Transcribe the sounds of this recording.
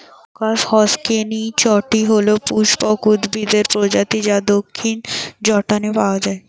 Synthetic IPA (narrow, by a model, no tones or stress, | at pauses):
kashɔskenit͡ɕɔʈiɦolopuʃpɔkud̪bid̪eɾpɾod͡ʑat̪id͡ʑad̪okʰːind͡ʑɔʈanepaoad͡ʑae